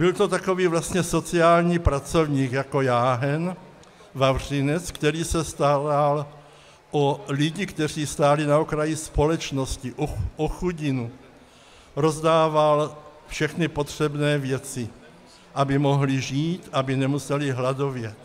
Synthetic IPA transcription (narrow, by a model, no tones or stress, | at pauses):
b̥ɪlt̪ot̪ako̞viːvlast̪ɲɛso̞t͡siaːlɲiːpɾat͡so̞vɲiːkjako̞jaːɦɛn | vavr̝̥ɪnɛt͡skt̪ɛɾiːsɛst̪aɾal | ʔolɪɟɪkt̪ɛr̝iːst̪aːlɪnaokɾajispo̞lɛt͡ʃnoscɪʔʔoxuɟɪnu | ɾo̞zdaːvalfʃɛxnɪpo̞t̪r̝̥ɛbnɛːvjɛt͡sɪ | ʔabɪmo̞ɦlɪʒiːt̪ʔabɪnɛmusɛlɪɦlado̞vjɛ